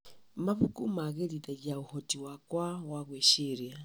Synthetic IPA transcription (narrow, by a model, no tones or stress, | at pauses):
maβukumaɣɛliðaɟauhɔtiwakwawaɣwɛʃiɾia